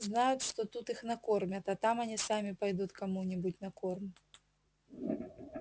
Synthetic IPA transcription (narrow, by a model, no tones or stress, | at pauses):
znajut̪ʂt̪ɔt̪ut̪ixnɐkɔrmʲɐt̪ɐt̪amɐnʲisamʲipajd̪ut̪kamunʲibutʲnɐkɔrmʲ